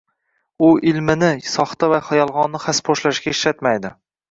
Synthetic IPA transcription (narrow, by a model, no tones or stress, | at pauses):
ʊʔɪlmɪnɪsɒχt̪avaχajɒlˠʁɒnːɪχaspʰoʃlaʃɡʲaɪʃlat̪majd̪ɪ